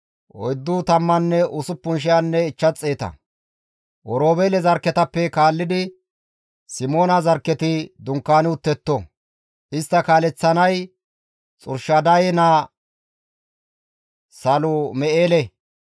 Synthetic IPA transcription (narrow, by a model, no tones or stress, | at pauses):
ʔɔ̰jd̪ːʊt̪ɐmːɐnːɛʔʊsʊpːʊnʃ̬ɪjanːɛɪt͡ʃːɐt͡sʼːeːt̪ɐ̰ | ʔɔɾo̞ːbelɛzɐɾkːɛt̪ɐpːɛkaːlːɪd̪ɪ | sɪmo̞ːnɐzɐɾkːɛt̪ɪd̪ʊŋkːaːnɪʊt̪ːɛt̪ːɔ | ʔɪst̪ːɐkaːlɛt͡sːɐnɐj | t͡sʼʊ̰ɾʃɐd̪ɐjɛna | sɐlʊmɛʔeːlɛ